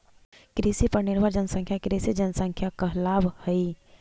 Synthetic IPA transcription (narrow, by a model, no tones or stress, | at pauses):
kɾisipɐɾnɪɾbʱəɾd͡ʒənsə̃ŋkʰjakɾesid͡ʒənsə̃ŋkʰjakəɦlaːbhəi